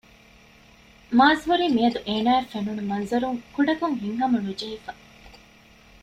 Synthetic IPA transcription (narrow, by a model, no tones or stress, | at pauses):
maːzɦuɾiːmiɐd̪uʔeːnaːefenunumɐnzɐɾuŋkuɖɐkuŋɦiŋɦɐmɐnud͡ʒɐɦifɐ